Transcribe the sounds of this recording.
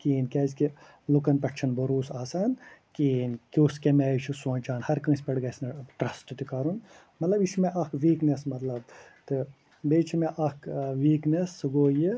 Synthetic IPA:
kiːnkʲɐːzki | lukɐnpɐʈt͡ʃʰɐnbɐɾuːsaːsaːnkiːnkʲuskemet͡ʃʰisõːt͡ʃaːnhɐɾkɐ̃ːsʲpʲɐɽɡɐsnɐʈɾɐsʈɨt̪ikaɾun | mɐt̪lɐbit͡ʃʰmeʔɐkʰʋiːknesmɐt̪lɐb̚t̪ɨ | beːt͡ʃʰimeʔɐkʰʋiːknesɨɡoːji

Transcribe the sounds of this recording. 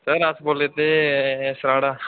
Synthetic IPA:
səɾəsboːleːt̪eːsɾaːɽaː

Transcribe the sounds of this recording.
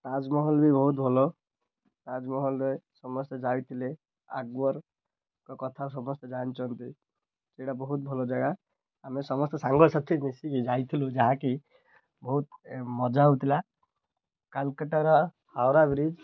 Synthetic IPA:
ʈad͡ʒmɔɦɔlbʱibɔɦut̪bʱɔlɔ | ʈad͡ʒmɔɦɔlɔjsɔmɔst̪ɔd͡ʒawt̪ʰile | a̰ɡwɔɾ | kɔkɔt̪ʰasɔmɔst̪ɔd͡ʒant͡ʃʰɔnt̪i | seɽabɔɦut̪̚bʱɔlɔd͡ʒaɡa | amesɔmɔst̪ɔsaŋɡɔɾsat̪ʰenisikid͡ʒajt̪ʰilud͡ʒaɦãki | bɔɦut̪̚mɔd͡ʒaɦut̪ʰila | kalkəʈaɾɔ | hawɾabɾid͡ʒ

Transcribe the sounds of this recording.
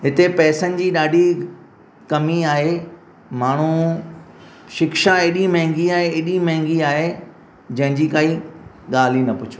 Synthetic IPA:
ɦɪt̪epɛːsənɪ̆d͡ʑiːɗaːɗʱi | kɐmiaːɦe | maːɳ̤̃u | ʃɪkʃãeːɗĩmɐ̃ɦɪ̃ŋɡiaːɦeeːɗimɐ̃ɦɪ̃ŋɡiaːɦe | d͡ʑɐ̃ɦɪ̃ɲd͡ʑiːkaːi | ɠaːl̤inɐpʊt͡ɕʰu̥

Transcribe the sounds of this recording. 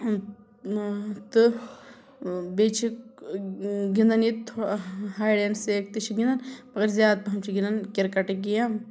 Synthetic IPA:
t̪ɨ | bet͡ʃʰi | ɡind̪ɐnit̪ʰːhaːjɖenseːk̚t̪it͡ʃʰiɡind̪ɐnpɐɡɐɾzjaːd̪̚pɐɦɐmt͡ʃʰiɡind̪ɐnkiɾkɐʈɡija

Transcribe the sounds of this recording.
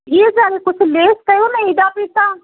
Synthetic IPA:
id͡ʒaːɾekʊt͡ʃʰleːskəjonəĩd̪aːpiːt̪aː

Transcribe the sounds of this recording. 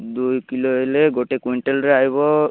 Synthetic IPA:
d̪ujkiloɦeleɡoʈekuɳʈelɾeajβɔ

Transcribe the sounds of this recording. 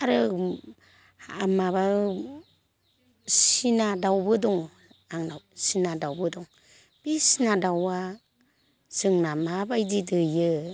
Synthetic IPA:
aɾɯ | amaβa | sinadawbɯdɔŋ | aŋnawsinadawbɯdɔŋ | b̥isinadawa | zɯŋnamabajdidɯjɯ

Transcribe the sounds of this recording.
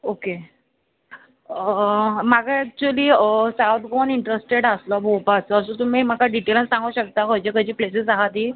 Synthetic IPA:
oke | əmaɡaæk̚t͡ɕuəliːəsawt̪ɡɔniɳʈɾesʈeɽəslɔbʱopat͡səəsõt̪̬um̤iːm̤akaɖiʈelənsãŋɡuɕək̚t̪akojt͡ɕekəd͡ʑiːplesəsaɦat̪ɦiː

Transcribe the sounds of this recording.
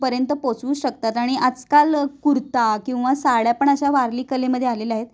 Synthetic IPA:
pəɾjənt̪əpot͡suːɕək̚t̪at̪aɽ̃iad͡zkalkuɾt̪akĩw̃ʋasaɭjapəɳəɕaʋaɾliːkəleməd̪ʱːjealelaɦet̪

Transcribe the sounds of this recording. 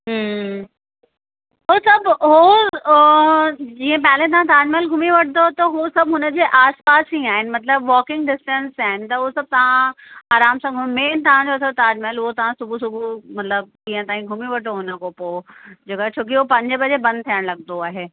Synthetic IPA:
ɦ | ɦosɐbɦo | d͡ʑĩːə̃p̬ɛlẽt̪̬ɐʋ̤ãt̪aːɾɖmelɡʱʊmiʋɐʈʰnd̪ot̪ɐɦosɐbɦʊnə̆d͡ʑeːʔaːspaːsĩaːɦɪnɪ̆mɐt̪ləbʋɔːkɪ̃ŋɡɖɪsʈə̃nsaːɦɪnɪ̆t̪ɐɦosɐb̚t̪ɐʋ̤ãaːɾaːmsãːɡʱʊmeːnt̪ɐʋ̤ãd͡ʑot̪ʰot̪aːɾɖmelʊɦot̪ɐʋ̤ãsʊbʱusʊbʱumɐt̪ləb̚ĩːə̃t̪aːɦĩɡʱʊmiʋɐʈʰoɦʊnəkopoːd͡ʑeːkoɛt͡ɕʰoːk̬iɦopɐ̃ɲd͡ʑbɐd͡ʑebɐ̃nd̪̚t̪ʰijəɽ̃lɐɡnd̪oaːɦeː

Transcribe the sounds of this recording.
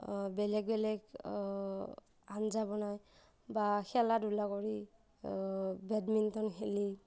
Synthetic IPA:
bɛlɛɡ̚bɛlɛɡ | anzabɔnaj | baxɛladulakɔɹi | bɛdmintɔnxeli

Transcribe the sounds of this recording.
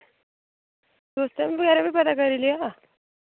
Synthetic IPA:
d̪ost̪jamiːʋəɡjaɾabiːpəd̪akəɾilia

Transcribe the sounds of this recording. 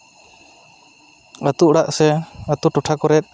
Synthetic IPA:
ət̪uʔɽaʔsɛət̪uʈuʈʰakɔɾɛt̪̚ˀ

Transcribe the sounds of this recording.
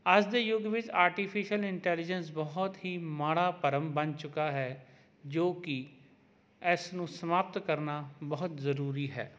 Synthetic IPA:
əsd̪eːjʊɡʋɪt͡ʃaːɾʈipʰɪʃəlɪɳʈɛːlɪd͡ʒəns̬bɔːɦɔt̪ɦiːmaːɽaːpəɾəmbənt͡ʃʊkaːɦɛː | d͡ʒoːkɪ | ɛsnũːsəmaːp̚t̪kəɾnaːbɔɦʊt̪zəɾuːɾiːɦɛ̰ː

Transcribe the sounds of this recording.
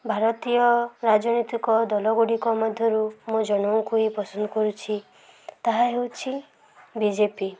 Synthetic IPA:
bʱaɾɔt̪ijɔɾad͡ʒɔnit̪ikɔd̪ɔlɔɡuɽikɔmɔd̪ʱjɔɾumud͡ʒɔɽ̃ɔũkuipɔsɔnd̪ɔkɔɾut͡ʃʰi | t̪aɦaɦewt͡ʃʰi | bid͡ʒepi

